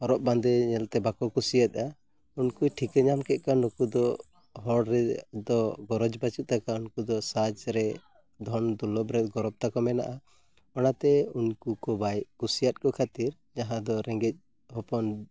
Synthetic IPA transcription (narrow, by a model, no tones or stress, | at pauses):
ɔɾɔp̚band̪ɛɲɛlt̪ɛbakɔkusijat̪̚ˀa | unkuʈʰikɛɲamkɛt̪̚ˀkanukud̪ɔ | ɦɔɽɾɛd̪ɔɡɔɾɔd͡ʒbat͡ʃut̪̚t̪akaunkud̪ɔsad͡ʒɾɛ | d̪ʱɔnd̪ulɔbɾɛt̪ɡɔɾɔb̚t̪akɔmɛna̰ʔa | ɔnat̪ɛunkukɔbajʔ̚kusijat̪̚kɔkʰat̪iɾ | d͡ʒaɦãd̪ɔɾɛŋɡɛc̪̚ˀ | ɦɔpɔn